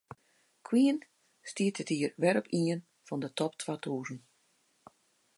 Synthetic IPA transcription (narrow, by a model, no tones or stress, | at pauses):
kʰwiən | stiətətiərʋɛɾɔpʰiən | fɔndətɔptʰʋatʰuːzən